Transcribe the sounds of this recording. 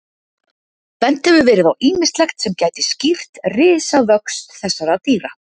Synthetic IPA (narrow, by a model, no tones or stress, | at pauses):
pɛnt̪ɪvʏvɛːɾɪðawʔiːmɪst̪lɛxt̪sɛmcaːjt̪ɪscir̥t̪rɪːsavœkst̪θɛsːaɾawt̪iːɾa